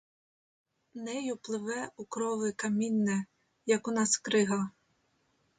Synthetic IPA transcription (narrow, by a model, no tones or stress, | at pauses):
nɛjʊplˠɪʋɛukɾɔʋɪkɐmʲinːɛ | jɐkʊnɑskɾɪɦɑ